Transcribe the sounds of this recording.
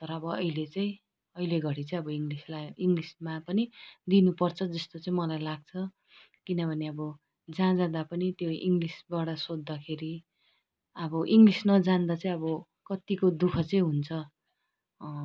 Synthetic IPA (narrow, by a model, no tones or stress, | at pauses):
t̪ʌɾʌʌbʌʌ̰ilet͡saĩ | ʌileɡʱʌɽit͡saĩʌbʌiŋɡlislajiŋɡlismapʌnid̪inupʌrt͡sʰʌd͡zʌst̪ot͡sʌĩmʌlajlaɡ̚t͡sʰʌ | kinʌbʱʌneʌbʌ | d͡zãd͡zãd̪apʌnit̪joḭŋɡlisbaɽʌsod̪ːakʰeɾi | ʌbʌʔiŋɡlisnʌd͡zand̪at͡sʌĩʌbʌ | kʌt̪ikod̪ukʰʌt͡sʌĩɦunt͡sʰʌ